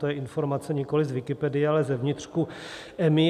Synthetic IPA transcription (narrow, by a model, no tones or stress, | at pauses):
t̪ojɛʔɪnfo̞ɾmat͡sɛɲɪko̞lɪzvɪkɪpɛdɪjɛalɛzɛvɲɪt̪r̝̥kuʔɛmɪ